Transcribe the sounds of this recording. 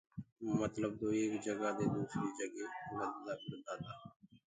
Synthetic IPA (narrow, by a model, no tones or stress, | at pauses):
mət̪ləb̚d̪oːeːkd͡ʒəɡaːd̪eːd̪uːsɾiːd͡ʒəɡeːləd̪d̪aːkəɾd̪aːd̪aː